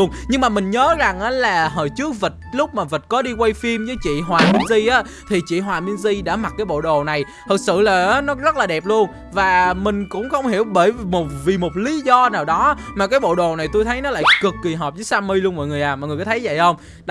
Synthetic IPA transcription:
ənɲɨ˧ŋmaː˨˩mï˨˩ŋ̟ɲəː˨˦za˨˩ŋʔaː˨˦laː˨˩ɦəː˧˨˩jt͡ɕɨ˦˥ək̚və˨˩t̚lʊ˦˥k͡p̚maː˨˩və˨˩t̚kɔ˨˦ɗi˧kwa˧jfi˧mzəː˨˦jt͡ɕḭ˧˨ɦwaː˨˩mi˧ənzi˧ʔaː˨˦ | t̪ʰi˨˩t͡ɕḭ˧˨ɦwaː˨˩mi˧ənzi˧ɗa̰ː˧˥ma˨˩t̚kaː˨˦jɓo̰˧˨ɗo˨˩na˨˩j | t̪ʰə˨˩t̚sɨ̰˧˨laː˨˩ʔːnɔ˨˦zə˦˥t̚laː˨˩ɗɛ˨˩p̚lu˧ən | vaː˨˩mï˨˩ŋ̟kʊ̰˧˥wŋ͡mxə˧wŋ͡mhi˧˩əwɓəː˧˩jmo˨˩t̚vi˨˩mo˨˩t̚li˨˦zɔ˧naː˨˩wɗɔ˨˦maː˨˩kaː˨˦jɓo̰˧˨ɗo˨˩na˨˩jt̪o˧jt̪ʰə˨˦jnɔ˨˦la̰ː˧˨jkɨ˨˩kːi˨˩ɦɔː˨˩p̚zəː˨˦jsaː˧mi˧jlu˧ənmɔ̰˧˨jŋɨ˨˩əjʔaː˨˩mɔ̰ː˨ŋ˨˩əkːaː˨˦t̪ʰə˨˦jzə̰˧˨jxə˧wŋ͡m

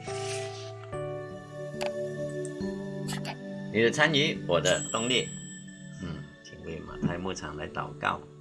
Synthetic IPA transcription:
ni˨d̪ə˨˩t͡sʰa˧˥nji˧˥hɔ˨˩d̪ə˨˧˨t̪ɔ˥˧ŋli˥˧˨ | t͡ɕʰi˨˩ŋwi˧˩ma̰˨˩t̪ʰa˥˧jmu˥˧˨t͡sʰa̰˨˩ŋla˨˦jt̪a̰˨˩wka̰˥˨w

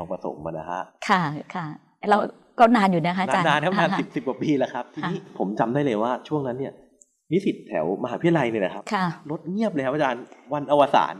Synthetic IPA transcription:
ɔː˧ŋpɾa˧so̰˨˩˦mma̰ː˧˩na˦kʰa˦˥ʔkʰa˥˩kʰa˥˩ | ɾa˧w | kɔː˥˩naː˧njuː˨˩na˦˥kʰa˦˥˨a˧aː˧naː˧nkʰa˥˦naː˧si˨˩p̚si˨˩p̚ku˨˩piː˧la˨˦kʰa˦˥p̚t̪ʰiː˧n˧iː˦˥pʰo˩˦mt͡ɕa˧mdaː˥˩jlɤː˧jwaː˥˩t͡ɕʰu˥˩əŋna˦˥nːi˥˩ɐ | wi˦˥si˨˩t̪̚ʰːɛ̰˩˦wma˧ɦaː˩˦pʰi˦˥˩la˧jnɯ˧˩la˨˩kʰa˦˥p̚kʰa˥˩lo˦˥t̪̚ŋi˥˩əp̬̚le˧kʰa˦˥ʔaː˧t͡ɕaː˧nwa˧nʔa˧wa˧sa̰ː˩˦n

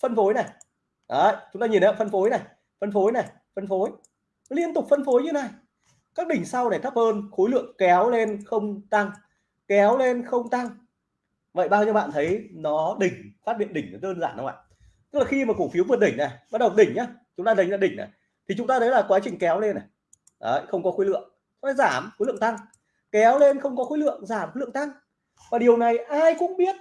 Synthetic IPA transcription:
fə˧nfo˨˦jna˨˩ | ʔə˨˧˨jt͡ɕʊ˨˦ŋ͡mt̪aː˧ɲi˨˩nː˨˧˨fə˧nfo˨˦jna˨˩j | fə˧nfo˨˦jna˨˩j | fə˧nfo˨˦j | li˧ənt̪ʊ˨˩k͡p̚fə˧nfo˨˦jɲɨ˧na˧˩j | kaː˦˥k̚ɗï˨˩ŋ̟sa˧wna˨˩jt̪ʰə˦˥p̚həː˧nxo˨˦jlɨ̰˧˨əŋkɛ˨˦wle˧nxə˧wŋ͡mt̪a˧ŋ | kɛ˨˦wle˧nxə˧wŋ͡mt̪a˧ŋ | və̰˧˨jɓaː˧wɲə˧wɓa̰ː˧˨nt̪ʰə˨˦jnɔ˨˦ɗï˨˩ŋ̟faː˦˥t̚ɓḭ˧˨ənɗï˧˩ŋ̟nɔ˨˦ɗəː˧nzaː˧˩nːə˨˦wʔa̰ː˧˨ | t̪ɨ˦˥laː˨˩xi˧maː˨˩ku˧˩fi˨˦wvɨ˨ət̚ɗï˧˩ŋ̟na˨˩ɓa˦˥t̚ɗə˨˩wɗï˧˩ŋ̟ʔaː˨˦t͡ɕʊ˨˦ŋ͡mt̪aː˧ə˨˦jlaː˧˨ɗï˧˩ŋ̟na̰˨˩j | t̪ʰi˨˩t͡ɕʊ˨˦ŋ͡mt̪aː˧t̪ʰə˨˦jlaː˨˩kwaː˨˦t͡ɕï˨˩ŋ̟kɛ˨˦wle˧nʔa˨˩ | ʔə̰˧˨jxə˧wŋ͡mkɔ˨˦xo˨˦jlɨ̰˧˨əŋ̚˧ | aː˧˩zaː˧˩mxo˨˦lɨ̰˧˨ŋt̪a˧ŋ | kɛ˨˦wle˧nxə˧wŋ͡mkɔ˨˦xo˨˦lɨ̰˧˨əŋzaː˧˩mxo˨˦lɨ̰˧˨ə˨ŋt̪a˧ŋ | vaː˨˩ɗi˨˩əwna˨˩jʔaː˧jkʊ̰˧˥ŋ͡mɓi˦˥ət̚

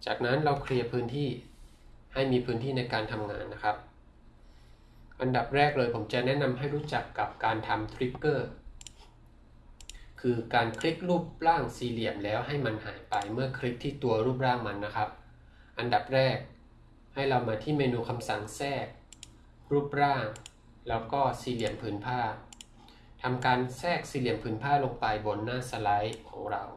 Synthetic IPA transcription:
t͡ɕaː˨˩k̚na˦˥nɾa˧wkʰli˧ɐpʰɯː˦˥nt̪ʰiː˥˩ | ha˥˩jmiː˧pʰɯː˦˥nt̪ʰiː˥˩na˧jkaː˧nt̪ʰa˧mŋa̰ː˧nːa˦˥kʰɾa˦˥p̚ | ʔa˧nda˨˩p̚ɾɛː˥˩k̚lɤː˧jpʰo˩˦mt͡ɕa˨˩ʔnɛ˦˥na˧mɦa˥˩jɾuː˦˥t͡ɕa˨˩kːa˨˩p̚kaː˧nt̪ʰa˧mt̪ʰɾi˦˥kːɤː˥˩ | kʰɯː˧kaː˧nkʰɾi˦˥k̚ɾuː˥˩p̚ɾaː˥˩ŋsiː˧li˨˩əmlɛː˦˥wɦa˥˩jma˧nɦa̰ː˩˦jpa˧jmɯ˥˩ɐkʰɾi˦˥k̚t̪ʰiː˥˩t̪u˧ɐɾuː˥˩p̬̚ɾaː˥˩ŋma˧nːa˦˥kʰɾa˦˥p̚ | ʔa˧nda˨˩p̚ɾɛː˥˩k̚ | ha˥˩jɾa˧wmaː˧t̪ʰiː˥˩meː˧nuː˧kʰa˧msa˨˩ŋsɛː˥˩k̚ | ɾuː˥˩p̚ɾaː˥˩ŋ | lɛː˦˥wkɔː˥˩siː˧li˨˩əmpʰɯː˩˦npʰaː˥˩ | t̪ʰa˧mkaː˧nsɛː˥˩k̚siː˧li˨˩əmpʰɯː˩˦npʰaː˥˩lo˧ŋpa˧jbo˧nːaː˥˩sa˧la˦˥jkʰɔ̰ː˩˦ŋɾa˧w

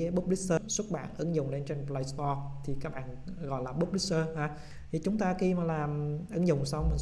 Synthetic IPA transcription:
ɓp̚li˦˥səː˧swə˦˥t̚ɓa̰ː˧˨nʔɨ˨˦ŋzʊ˨˩ŋ͡mle˧nt͡ɕe˧npla˧jst̪ɔ˧t̪ʰi˨˩kaː˦˥k̚ɓaː˧˨n | ɣɔ̰˧˨jlaː˨˩ɓo˦˥p̚li˦˥t̚səː˧haː˧ | t̪ʰi˨˩t͡ɕʊ˨˦ŋ͡mt̪aː˧xi˧maː˨˩laː˨˩mʔɨ˨˦ŋzʊ̰˨˩ŋ͡msa˧wmi˨˩

